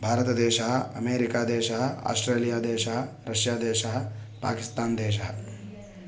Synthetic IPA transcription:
bʱaːɾɐt̪ɐd̪ɛːʃɐɦɐɐmeːɾikaːd̪ɛːʃɐɦɐ̆a̰ːsʈɾeːlijaːd̪eːʃɐɦɐ̆ | ɾɐʃjaːd̪ɛːʃɐɦɐ̆pa̰ːkist̪aːnd̪ɛːʃɐɦɐ

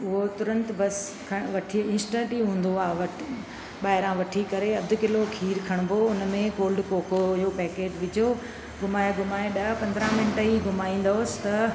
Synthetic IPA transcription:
ʊɦot̪ʊɾə̃nt̪bɐs | kʰɐʋɐʈʰiɪ̃ːnsʈə̃ɳʈiɦũːn̆d̪oaːɦʋɐʈʰ | ɓaːɦɪɾãʋɐʈʰikɐɾeɐd̪ʱʊ̆kɪlokʰiːɾkʰɐɽ̃bʱoʊnmẽkoːlɖkoːkojopɛːkeːʈʋɪd͡ʑo | ɡʊmaːjeɡʱʊmaːeɗɐpɐ̃nd̪ɾãmɪnʈəɦiɡʊmaːĩːn̆d̪oʊsɪ̥t̪ɐ

